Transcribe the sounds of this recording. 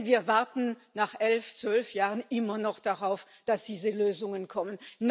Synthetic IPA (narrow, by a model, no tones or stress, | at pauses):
viːɐvaɐtn̩naːχʔɛlft͡sv̥œlfjaːʁənʔɪmɐnɔχd̥aʁaʊf | d̥asd̥iːzəløːzʊŋənkʰɔmənː